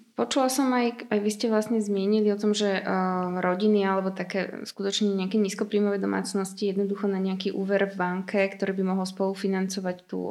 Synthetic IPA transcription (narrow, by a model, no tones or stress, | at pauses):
pɔt͡ʃulasɔmajajʋiscɛʋlasɲɛzmɪɛɲiliɔt̪ɔmʒɛɾɔɟinialɛbɔt̪akɛːskut̪ɔt͡ʃɲɛɲɛakɛːɲiːskɔpɾiːmɔʋɛːd̪ɔma̰ːt͡snɔscijɛd̪nɔd̪uxɔnaɲɛakiʔuːʋɛɾvbaŋkʰɛkt̪ɔɾiːbimɔɦɔlspɔlufinant͡sɔʋact̪ṵ